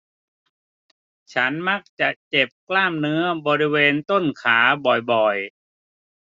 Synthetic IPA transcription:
t͡ɕʰa˦˥nma˦˥k̚t͡ɕa˨˩ʔt͡ɕe˨˩p̚klaː˥˩mnɯ˦˥ɐbɔː˧ɾi˦˥weː˧nt̪o˥˩nkʰaː˩˦bɔ˨˩jbɔ˨˩j

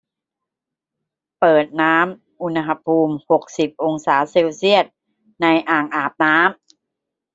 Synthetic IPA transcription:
pɤː˨˩t̪̚naː˦˥m | ʔu˧n˧ɦa˧pʰuː˧mho˨˩k̚si˨˩p̚ʔo˧ŋsaː˩˦se˧wsi˥˩ət̪̚ | na˧jʔaː˨˩ŋʔaː˨˩p̚naː˦˥m

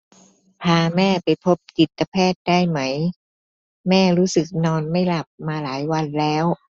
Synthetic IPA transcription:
pʰaː˧mɛː˥˩pa˧jpʰo˦˥p̚t̪i˨˩t̪ːa˧pʰɛː˥˩t̪̚daː˥˩jma˦˥j | mɛː˥˩ɾuː˦˥sɯ˨˩k̚nɔː˧nma˥˩jla˨˩p̚maː˧laː˩˦jwa˧nlɛː˦˥w

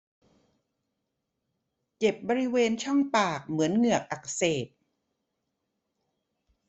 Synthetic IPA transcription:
t͡ɕe˨˩p̚bɔː˧ɾi˦˥weː˧nt͡ɕʰɔ˥˩ŋpaː˨˩k̚mɯ˩˦ənŋɯ˨˩ək̚ʔa˨˩kseː˨˩t̪̚

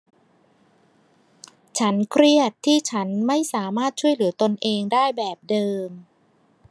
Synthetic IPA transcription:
t͡ɕʰa˦˥nkʰɾi˥˩ət̪ʰːiː˥˩t͡ɕʰa˦˥nma˥˩jsaː˩˦maː˥˩t̪̚t͡ɕʰu˥˩əjlɯ˩˦ɐt̪o˧nʔeː˧ŋdaː˥˩jbɛː˨˩p̚dɤː˧m

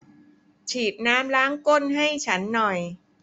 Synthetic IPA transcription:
t͡ɕʰiː˨˩t̪̚naː˦˥mɾaː˦˥ŋko˥˩nɦa˥˩jt͡ɕʰa˦˥nːɔ˨˩j

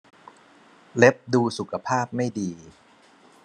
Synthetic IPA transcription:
le˦˥p̚duː˧su˨˩kʰa˧pʰaː˥˩p̚ma˥˩jdiː˧

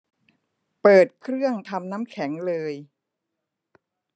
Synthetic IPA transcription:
pɤː˨˩t̪̚kʰɾɯ˥˩əŋt̪ʰa˧mnaː˦˥mkʰɛ˩˦ŋlɤː˧j

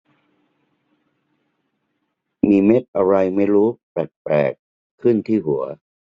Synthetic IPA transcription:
miː˧me˦˥t̪̚ʔa˧ɾa˧jma˥˩jɾuː˦˥pɛː˨˩t̪̚pɛ̰ː˨˩kʰː | ɯ˥˩nt̪ʰiː˥˩ɦu˩˦ɐ

